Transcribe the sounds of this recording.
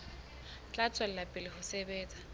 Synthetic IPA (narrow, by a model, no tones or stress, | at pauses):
t͡ɬʼat͡sʼal̩lapʼɪlɪhʊsebeːt͡sʼḁ